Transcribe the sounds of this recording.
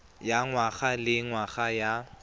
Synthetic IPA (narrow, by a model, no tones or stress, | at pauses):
jaŋwaɣalɪŋwaɣaja